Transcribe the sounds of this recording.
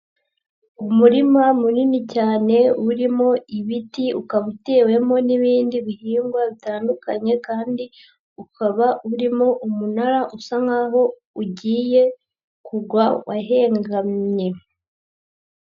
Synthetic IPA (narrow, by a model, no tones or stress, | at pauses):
umuɾimamuninicaːne̞uɾimo̞iβitiukaβute̞ːwe̞mo̞niβiːndiβihiːŋɡwaβitaːndukaɲe̞kaːndi | ukʰaβauɾimo̞ʔumunaɾaʔusaŋaːɦo̞ | uɟiːje̞ | kuɡwawaɦe̞ːŋɡamɲe̞